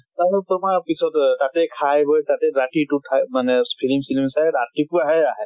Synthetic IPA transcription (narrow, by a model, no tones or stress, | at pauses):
taɦɛtɔmaɹpisɔttatɛkʰajbʱɔjtatɛɾaʈitutʰamanɛpʰilimsilimsajatipuaɦɛaɦɛt